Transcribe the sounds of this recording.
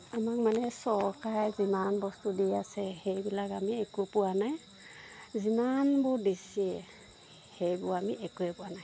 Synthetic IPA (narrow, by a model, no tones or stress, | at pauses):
amak̚manɛsɔɹkajzimanbɔstudiasɛhejbilakamiɛkʊpʊwanaj | zimanbʊdisiɛ | hejbʊɹamiɛkuɛpʊanaj